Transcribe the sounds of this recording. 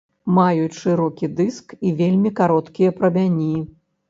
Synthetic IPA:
majut͡sʲʂɨɾɔkʲid̪ɨskivʲelʲmʲikaɾɔt̪kʲijɐpɾɐbʲanʲːi

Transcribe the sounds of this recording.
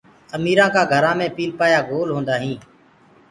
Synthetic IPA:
əmiːɾãːkaːɡʱəɾãːmẽːpiːlpaːjaːɡoːlɦõːnd̪aːɦĩː

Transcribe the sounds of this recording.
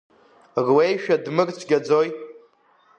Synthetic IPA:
rwejʃᶣadmɨrʼt͡sʷʰɡʲad͡zoj

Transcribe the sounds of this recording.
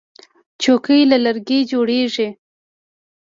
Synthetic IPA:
t͡ʃokəjlalaɾɡed͡ʒoɽeʐi

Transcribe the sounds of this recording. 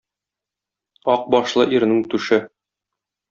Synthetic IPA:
ɒq̚bɒʃlˠɤʔiɾ̆nɘŋt̪ʉʃɘ

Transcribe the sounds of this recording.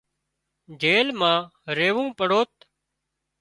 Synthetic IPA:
d͡ʒeːlmãːɾeːʋũːpəɽoːt̪

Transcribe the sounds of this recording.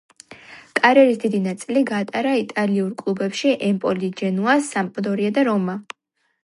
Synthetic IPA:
kʼaɾɛɾisd̪id̪inat̪sʼiliɡaːt̪ʼaɾait̪ʼaliuɾkʼlˠubɛpʃiʔɛmpʼɔlid͡ʒɛnuasːamqʼd̪ɔɾiad̪aɾɔma

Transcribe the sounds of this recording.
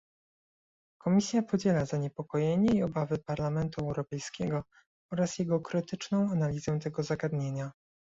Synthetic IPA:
kʰɔmʲisʲjapɔd͡ʑɛlazaɲɛpɔkɔjeɲɛiɔbavɘpaɾlamɛnt̪uɛwɾɔpɛjskʲɛɡɔ | ɔɾasjɛɡɔkɾɘt̪ɘt͡ʂnɔ̃w̃analʲizɛt̪ɛɡɔzaɡad̪ɲeɲa

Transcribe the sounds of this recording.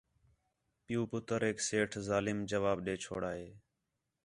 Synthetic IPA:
pɪjuːpʊt̪əɾɦeːkseːʈʰzaːlɪmd͡ʒəʋaːbɗeːt͡ʃʰo̰ːɽaːɦeː

